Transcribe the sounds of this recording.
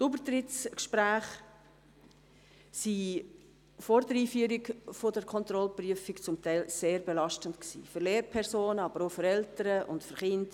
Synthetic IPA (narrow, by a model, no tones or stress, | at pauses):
tubətɾɪtt͡skʃpɾæːχ | si | fɔɾdəɾiːfyəɾɪɡfodəɾkʰɔnt̪ɾɔlpryəfɪkt͡sʊmtæɪlseːɾbelɑʃtəntksḭːfʏɾleːɾpʰɛɾsoːnəɑbəɾofəɾɛltəɾəʔʊ̰ntfʏɾχɪnd